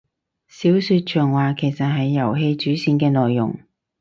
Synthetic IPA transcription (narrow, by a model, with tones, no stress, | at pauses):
siː˨˥wsyː˧t̚t͡ʃʰœː˨˩ŋwaː˨kʰe˨˩jsɐ˨t̚ɦɐ˨jːɐ˨˩wɦe˧jt͡ʃyː˨˥siː˨˧nkɛː˧nɔː˨jːʊ̰˨˩ŋ